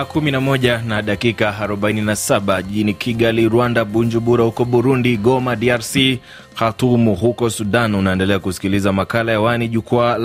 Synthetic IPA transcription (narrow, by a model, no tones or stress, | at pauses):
kuminamɔʄanaɗakikaːɾɔɓaininasaɓaʄiʄinikʰiɠaliɾwandaɓuɲd͡ʒuɓuɾahukɔɓuɾundiɠɔmaɗiaɾsi | hatumuhukɔsuɗanunaɛndɛlɛakusi̥kilizamakalajawaniʄukwal